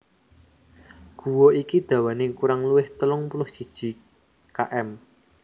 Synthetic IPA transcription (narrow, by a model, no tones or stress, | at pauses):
ɡ̥ṳwoikid̪̥ä̤wanekuɾaŋluwɪht̪əlʊŋpunʊhʒ̥i̤d̥ʒ̥i̤ | kaʔɛm